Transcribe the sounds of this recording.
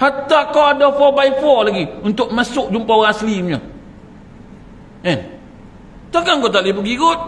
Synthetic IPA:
hat̪akaadafɔbaifɔlaɡiunt̪ʊʔ̚masʊʔ̚d͡ʒumpaŋaslimɲo | ɛn | t̪akaŋɡot̪aʔlibuɡiɡʊt̪̚

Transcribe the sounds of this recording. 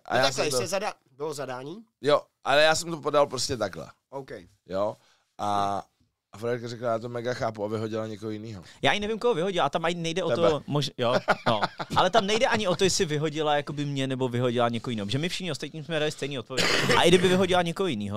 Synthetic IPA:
ʔa̰jaaɛɛzada | bɪlozadaːɲiː | jo | ʔalɛjaːsɛmt̪opodalpɾoscɛt̪aɡlɛ̰ | owkɛj | jo | ʔa | ʔafɾɛɾkarɛklajaːt̪omɛɡaxaːpuavɪɦoɟɪlaɲɛkoɦojɪniːɦojaːjɪnɛvɪmkoɦovɪɦoɟɪlat̪amajɪnɛjdɛʔoomoʒjonoʔalɛt̪amnɛjdɛʔaɲɪʔot̪ojɛsɪvɪɦo̞ɟɪlajakobɪmɲɛnɛbovɪɦoɟɪlaɲɛkoojɪniːoʒɛmɪfʃɪxɲɪost̪at̪̚ɲiːmsmɛdalɪst̪ɛjniːo̞t̪̚povjɛɟɪʔa̰ʔɪɡdɪbɪvɪɦoɟɪlaɲɛkoɦojɪniːɦo

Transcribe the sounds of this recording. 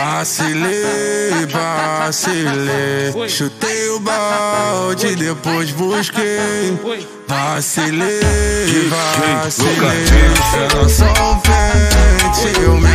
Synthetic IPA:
asile | vasileʃut̪ejʊbawd͡ʒɪd̪epojzbuʃke | vasile | vasileɛɾasɐ̃pɛ | t͡ʃim

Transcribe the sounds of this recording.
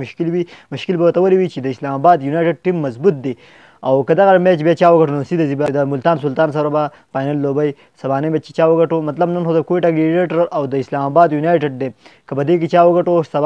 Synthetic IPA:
ʊʃkɪlwimʊʃkɪlbawəɾt̪awəliwit͡ʃed̪əɪslamabɑd̪junajʈɪɖ̚ʈimːɐzbut̪̚d̪e | awkɐd̪aɣamet͡ʃbjat͡ʃɑwəɡɐʈonosid̪azibad̪əmʊlt̪ɑːnsʊlt̪ɑːns̬ɐɾaba | pɑːjnalːobɐj | sɐbɑnabjat͡ʃe̥t͡ʃɑwəɡɐʈomat̪lɐbnɐnxod̪əkoeʈaɡiɾeʈaɾawd̪əɪslamabɑːd̪junajʈeɖd̪ekəpəd̪ek̬et͡ʃɑwəɡaʈosɐb

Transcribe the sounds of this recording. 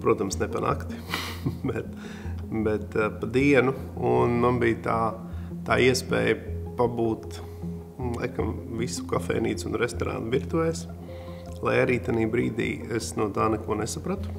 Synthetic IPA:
pɾuɔt̪amsnepanʔa̰ːkt̪i̥ | bɛt̪ | bɛt̪pad̪iɛnuunmanbijt̪aː | t̪aːiɛspɛ̰ːjpabuːt̪ | lˠajkamvisu̥kafɛ̰ːnḭːt̪sunɾest̪oɾa̰nt̪ʋiɾt̪uɛs | lˠajaɾiːt̪aniːbɾḭːd̪ḭːesnuɔt̪aːnɛkuɔnesapɾat̪u̥

